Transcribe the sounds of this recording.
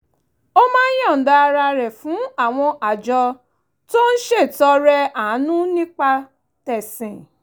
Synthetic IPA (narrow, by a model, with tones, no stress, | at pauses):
o˦mãː˦n̩˦jɔ̃˦˨n̩˨da˧ɾa˧ɾɛ˨fũ˨˦a˦˨w̃ɔ̃˧ʔa˨d͡ʒɔ˧ | to˦n̩˦ʃe˦˨tɔ˧ɾɛ˧a˨˦nũ˦nĩ˦k͡pa˧ | tɛ˨sɛ̃˨